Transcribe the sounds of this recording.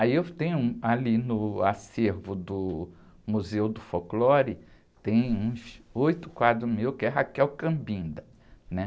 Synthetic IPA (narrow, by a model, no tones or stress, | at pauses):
aiewt̪ẽj̃ʊũalinʊaseɾvʊd̪ʊ | muzewd̪ʊfoklɔɾɪ | t̪ẽj̃ũsojt̪ʊ̥kwad̪ɾʊmewkɪɛɦakɛwkɐ̃bĩnd̪ɐ | nɛ